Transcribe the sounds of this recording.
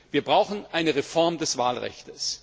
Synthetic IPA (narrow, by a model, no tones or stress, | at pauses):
v̥iːɐbʁaʊxn̩ʔaɪnəʁefɔɐmdɛsv̥aːlʁɛ̰çtəs